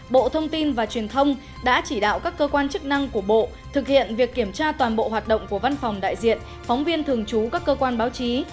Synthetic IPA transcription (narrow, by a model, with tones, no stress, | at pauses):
ɓo̰˧˨t̪ʰə˧wŋ͡mt̪i˧nvaː˨˩t͡ɕwi˨˩ənt̪ʰə˧wŋ͡m | ɗa̰ː˧˥t͡ɕi˧˩ɗa̰ː˧˨wkaː˦˥kːəː˧kwaː˧nt͡ɕɨ˦˥k̚na˧ŋku˧˩əɓo̰˧˨ | t̪ʰɨ˨˩k̚hḭ˧˨ənvi˨˩əkːi˧˩əmt͡ɕaː˧t̪waː˨˩nɓo̰˧˨ɦwaː˨˩t̚ɗə̰˧˨wŋ͡mku˧˩əva˧nfɔ˨˩wŋ͡mɗa̰ː˧˨jzḭ˧˨ən | fɔ˨˦wŋ͡mvi˧ənt̪ʰɨ˨˩əŋt͡ɕu˨˦kaː˦˥kːəː˧kwaː˧nɓaː˨˦wt͡ɕi˨˦